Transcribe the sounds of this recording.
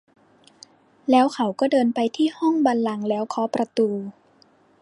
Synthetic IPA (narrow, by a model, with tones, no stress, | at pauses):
lɛː˦˥wkʰa˨˩˦wkɔː˥˩dɤː˧npa˧jt̪ʰiː˥˩hɔ˥˩ŋbaː˧nla˧ŋlɛː˦˥wkʰɔː˦˥pɾa˧t̪uː˧